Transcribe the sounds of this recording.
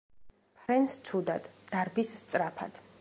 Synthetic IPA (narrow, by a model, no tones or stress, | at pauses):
pʰɾɛnst̪sʰud̪ad̪d̪̥aɾbisːt̪sʼɾapʰa̰d̪̥